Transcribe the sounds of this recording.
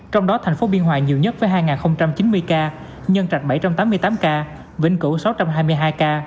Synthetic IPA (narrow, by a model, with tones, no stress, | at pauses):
t͡ɕɔ˧wŋ͡mɗɔ˨˦t̪ʰɛ˨˩jŋ̟fo˨˦ɓi˧ənɦwa̰ː˧˨ɲi˨˩əwɲə˦˥t̚vəː˨˦jɦaː˧jŋaː˨˩nxə˧wŋ͡mt͡ɕa˧mt͡ɕi˨˦nmɨ˧əjkaː˧ | ɲə˧nt͡ɕa˨˩k̚ɓaə˧˩jt͡ɕa˧mt̪aː˨˦mːɨ˧ət̪aː˨˦mkaː˧ | vḭ˧˩ŋ̟kɨ˧˩sa˨˦wt͡ɕa˧mɦaː˧jmɨ˧jɦaː˧jkaː˧